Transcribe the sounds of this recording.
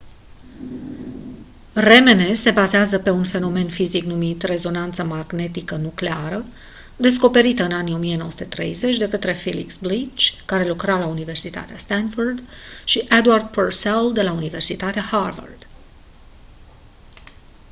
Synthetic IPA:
re̞me̞ne̞se̞bazeazəpe̞unfe̞no̞me̞nfiziknumit̪re̞zo̞nant̪səmaɡne̞t̪ikənukleaɾə | d̪e̞sko̞pe̞ɾit̪əɨnanijo̞mijeno̞əsu̥t̪e̞t̪ɾe̞̰jze̞t͡ʃʲd̪e̞kət̪ɾe̞filḭksblit͡ʃkaɾe̞lukɾalaunive̞rsit̪a̰t̪east̪anfurd̪ʃiʔed̪ward̪̚pərseld̪e̞launive̞rsit̪at̪eaharva̰rd̪̥

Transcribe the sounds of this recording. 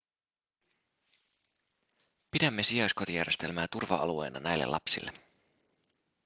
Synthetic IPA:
pidæmːe̞sijɑjsko̞t̪ijæ̰rjest̪e̞lmæːt̪urʋɑɑlue̞̰jnɑ̰næjlːḛlʔɑpsḭlːe

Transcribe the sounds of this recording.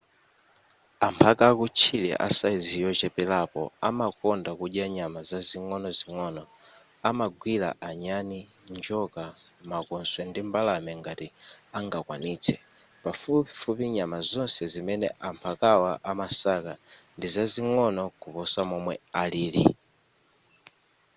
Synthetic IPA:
ampʰakakut͡ʃʰilɛ̰ʔa̰saizijɔt͡ʃɛpɛlapɔ̰amakɔndakuʄjaɲamazaziŋɔnɔziŋɔnɔ | amaɡwila̰ʔaɲani | nd͡ʒɔka | makɔnswɛndimbalamɛŋɡatiaŋɡakwa̰niːt͡sʰɛ | pafufupiɲamazɔnsɛzimɛnɛ̰ʔampʰakawaʔamasakandizaziŋɔnɔkupɔsamɔmwɛ̰aliːlḭ

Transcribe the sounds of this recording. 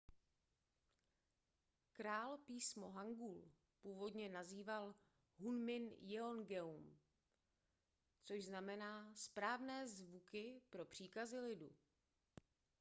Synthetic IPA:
kɾaːlpiːsmo̞ɦaŋɡul | puːvo̞dɲɛnaziːval | ɦunmɪnjɛonɡɛum | t͡soʒznamɛnaːspɾaːvnɛːzvukɪpɾo̞pr̝̥iːkazɪlɪdṵ

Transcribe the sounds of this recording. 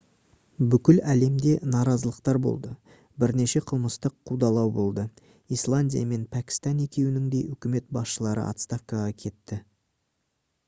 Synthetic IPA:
bʏkʲɪlæle̞md̪e̞nɑɾɑzəlˠəqt̪ɑɾbo̞̰lˠd̪ə | bɪɾne̞ʃe̞qʰəlˠməst̪əqʰːud̪ɑlˠɑwbo̞lˠd̪ə | ijslˠanʲdʲija̰me̞npʰækʲi̥st̪ɑne̞kʲe̞wɪnɪŋd̪e̞jʏkʲɪme̞t̪̚bɑsʃəlˠɑɾə̰a̰t̪st̪ɑfkaʁɑkʲʰe̞t̪ːɪ

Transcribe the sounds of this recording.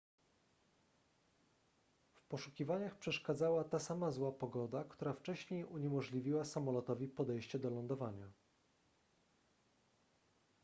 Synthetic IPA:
fpɔʂukʲivaɲaxpʂɛʂkad̪zawat̪asamazwapɔɡɔd̪akt̪uɾaft͡ʂɛɕɲejuɲɛmɔʐlʲivʲiwasamɔlɔt̪ɔvʲipɔd̪ɛjɕt͡ɕɛd̪ɔlɔnd̪ɔvaɲa

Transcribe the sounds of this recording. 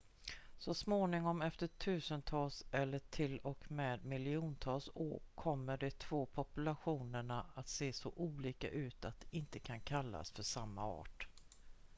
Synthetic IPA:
sɔsmoːnɪŋɔmɛft̪əʈʰʉ̟ːsənt̪ʰɑːlsɛlːəʈʰɪlɔkmeːd̪mɪlɪuːnt̪ʰɑːlso̰ːɾkʰɔmːəɖɛt̪ʰv̥oːpʰɔpɵlaɧuːnəɳaat̪seːsɔʔuːliːka̰ʔʉ̟ːt̪at̪̚d̪ɛɪnt̪əkʰankʰalːa̰sfœʂamːa̰ɑ̰ːʈ

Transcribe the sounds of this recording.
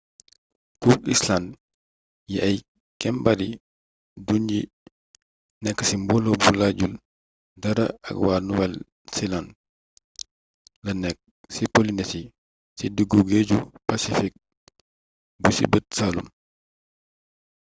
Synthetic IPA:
kukisland | jiʔɐj | kɛmbɐɾi | dunji | nɛkːə̥simbɔlɔbulaɟul | dɐɾɐɐ̰kwaːnuwɛl | silan | lɐnɛk̚ | sipɔlinɛti | sidəɡːuɡeɟupɐsifik̚ | busḭbət̚saːlṵm

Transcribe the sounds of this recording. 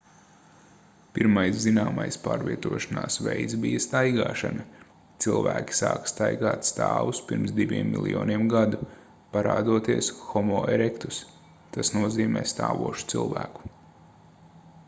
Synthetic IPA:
piɾmajszinaːmajspaːɾvʲiɛt̪uɔʃanaːsvɛjt̪sbijɐst̪ajɡaːʃanɐ | t̪silˠvæːkʲi̥sa̰ːkst̪ajɡaːt̪st̪aːʋuspiɾmsd̪iʋʲiɛmːḭlˠjɔ̰ːniɛmɡad̪u | paɾaːd̪uɔt̪iɛsxɔmɔːɛɾɛkt̪u̥s | t̪asnuɔziːmɛ̰ːst̪aːʋuɔʃu̥t̪silˠvæːku̥

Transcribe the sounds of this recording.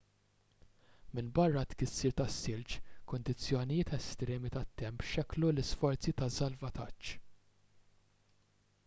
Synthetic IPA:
mɪnbɐrːɐt̪kɪsːɪɾt̪ɐsːɪlt͡ʃkʊnd̪ɪt͡sːjɔnɪjɪːt̪ɛst̪ɾɛːmit̪ɐt̪ːɛmpʃɛklulɪsfɔɾt͡sit̪ɐsɐlvɐt̪ɐt͡ʃː

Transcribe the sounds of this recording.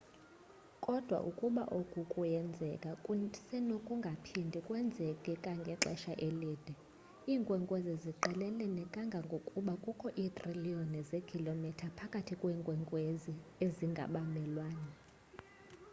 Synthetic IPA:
kʼɔd̥ʱwa̰ʔukʼuɓa̰ʔokʼukʼujɛnd͡zʱɛkʼasɛnokʼuŋɡʱapʰindʱikʼwɛnd͡zʱɛkʼɛkʼaŋɡʱɛǁɛ̰ʃaʔeliːd̥ʱɛ | iːŋkʼwɛŋkʼweziziǃɛlɛlɛnɛkʼaŋɡʱaŋɡʱokʼuɓakʼukʰɔʔiːt̪ʼriliɔnɛzekʰilomitʰapʰakʼatʰikʼwɛːŋkʼwɛŋkʼwezieziŋɡʱa̰ɓamɛlwaːnɛ

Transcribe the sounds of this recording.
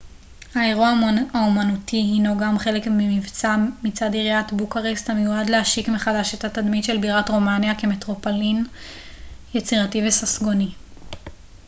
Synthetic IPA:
haeʁuaaumanutiɦinoɡamχe̞le̞kmimivt͡samit͡sadiʁijatbukaʁesthamejuadleaʃikmeχadaʃethatadmitʃe̞lbiʁatʁo̞manjake̞metʁo̞polin | jet͡siʁativesasɡo̞ni

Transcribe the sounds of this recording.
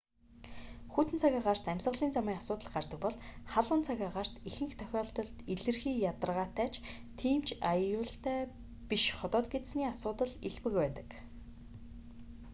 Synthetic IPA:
xuːt̪ɘ̆nt͡sʰaɣʲaːɢar̥t̪æmʲsə̆ʁɮiːnt͡samiːasʊːt̪ə̆ɮɢart̪ə̆k̚pɔɮχaɮə̆ːnt͡sʰaɣʲaːɢar̥t̪ixɘ̆ŋxt̪ʰœxʲɔːɮt̪ɞ̆ɮt̪iɮɘ̆rxiːjat̪ə̆rʁaːt̪æːt͡ɕ | t̪ʰiːmt͡ɕajʊːɬt̪æː | piʃχɔt̪ɔːt̪̚ɡet̪sniːasʊːt̪ə̆ɮiɮpɘ̆kpæːt̪ə̥̆k

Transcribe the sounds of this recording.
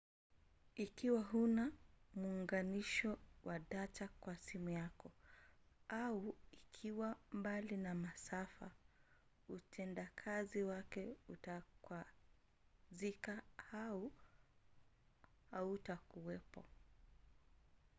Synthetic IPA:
ikiwaɦunamuːŋɡaniʃɔwʔaɗatʰakwasimujakɔ | auikʰiwambalinamasafa̰ | utʰɛndakʰaziwakɛutakwa | zikaau | hautakuwɛpɔ̰

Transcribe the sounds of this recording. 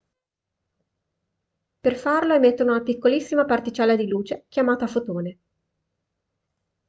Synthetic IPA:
perfarloemet̪ːonounapikːolisːimapart̪it͡ʃɛːlad̪iluːt͡ʃekʲjamaːt̪afot̪oːne

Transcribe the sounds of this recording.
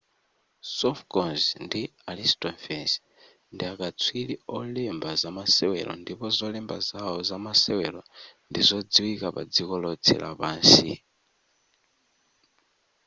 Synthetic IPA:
sɔfkɔnzndialistʼɔnfɛns | ndiakat͡sʰwiliɔlɛmbazamasɛwɛ̰lɔ̰ndipɔzɔlɛmba̰zaɔzamasɛwɛlɔndizɔd͡ziwikapad͡zikɔlɔt͡sʰɛ̰lʔa̰paːnsḭ

